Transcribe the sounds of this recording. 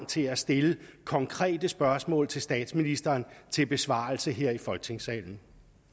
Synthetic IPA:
ŋ̰t͡sʰe̝æsd̥e̝ləkʰɒ̽ŋkʰʁɛ̰ːd̥əsb̥ɶɐsmɔ̰̽ːlt͡sʰe̝lsd̥ɛ̰ːd̥sminisd̥ɐːnt͡sʰe̝lb̥e̝sʋɑ̰̈l̩səɦeɐ̰ifɒ̽lɡ̥t͡sʰe̝ŋsɛ̰ːln̩

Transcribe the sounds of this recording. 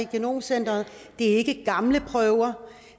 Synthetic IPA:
iɡ̥eno̝̰ːmsen̰d̥ɐð̩ˠd̥e̝æe̝ɡ̥əɡ̥ɑ̈mləpʰʁœʊɐ

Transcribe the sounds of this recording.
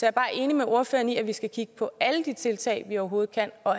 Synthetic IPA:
sɒ̽jɑɐb̥ɑ̈ːʔe̝ːnimeʔo̝ɐfø̰ːɐniæʋisɡ̥ækʰiɡ̥ə̥pʰɒ̽æləd̥it͡sʰe̝lt͡sʰɛ̰ɪʋiɒʊɐɦo̝ːð̞̩ˠkʰæn̰ɒ̽

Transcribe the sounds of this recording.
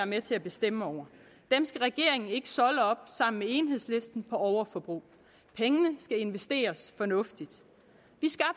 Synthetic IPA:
æɐmet͡sʰe̝æb̥e̝sd̥em̰əɒʊ̰ɐ | d̥emsɡ̥æʁɛɡ̥e̝ɐe̝ŋn̩e̝ɡ̥ə̥sɒ̽ləɒ̽b̥sɑ̈m̰n̩mee̝nɦe̝ð̰ˠsle̝sd̥n̩pʰɒ̽ɒʊɐfɒ̽b̥ʁṵː | pʰeŋənəsɡ̥æe̝nʋesd̥e̝̰ːɐsfɒ̽nɔ̽fd̥id̥ | ʋisɡ̥ɑ̈b̥

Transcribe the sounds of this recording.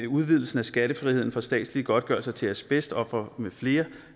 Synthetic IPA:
uð̞ˠʋið̞̰ˠl̩sn̩æsɡ̥æɾ̥əfʁihe̝ð̞̰ˠn̩fɒsd̥ɛ̰ːd̥sliɡ̥ɒ̽d̥̚ɡ̥ɶɐ̰sɐt͡sʰe̝æɐsb̥esd̥əɒ̽fʁɐmefle̝ːɐ

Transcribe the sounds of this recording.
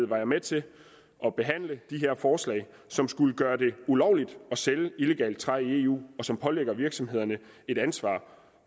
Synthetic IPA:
ð̩̰ˠʋɑ̈jɑ̈ɪmet͡sʰe̝ | ʔɒ̽b̥e̝ɦæn̰ləd̥iɦe̝ɐ̰fɒːslɛ̰ɪ | sɒ̽msɡ̥uləɡ̥ɶːɐd̥e̝ulɒʊlid̥ɒ̽seləile̝ɡ̥ɛ̰ːld̥̚t͡sʰʁaie̝ːṵːɒ̽sɒ̽mpʰɒ̽leɡ̥ɐʋiɐɡ̥sɒ̽mɦe̝ð̞̰ˠɐnə | e̝d̥ænsʋɑ̰̈ː

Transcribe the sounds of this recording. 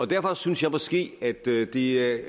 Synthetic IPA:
ɒ̽d̥æɐfɒ̽synsjɑɪmɒsɡ̥e̝̰ːæd̥d̥eæ

